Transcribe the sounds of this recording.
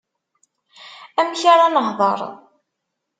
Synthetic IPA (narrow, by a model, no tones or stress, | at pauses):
æmçaɾanəɦðˤɑ̰ɾˤ